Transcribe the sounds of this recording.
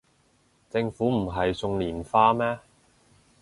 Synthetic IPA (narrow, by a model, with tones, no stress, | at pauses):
t͡sɪ˧ŋfuː˨˥m̩˨˩ɦɐ˨jsʊ˨˧ŋliː˨˩nfaː˧mɛː˥